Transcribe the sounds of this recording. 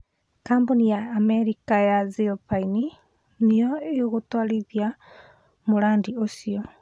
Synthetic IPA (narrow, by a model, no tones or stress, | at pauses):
kaːmbonijaːmɛɾikajazipaini | nejɔeoɣotwaliðja | moɾaːndiosiɔ